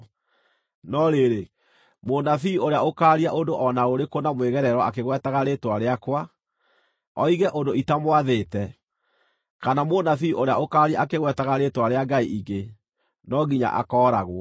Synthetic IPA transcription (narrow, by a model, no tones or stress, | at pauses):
nɔɾeɾe | monafiːoɾeaokaːɾiaʔodoʔɔnaoɾekonamweɣɛɾɛɾwɔakeɣwɛtaɣaɾetwaɾeakwa | ɔiɣɛʔondoitamwaðetɛ | kanamonafiːʔoɾeaokaːɾiaʔakeɣwɛtaɣaɾetwaɾeaɡaiʔiɡe | nɔɡiɲa̰ʔa̰kɔːɾaɣwɔ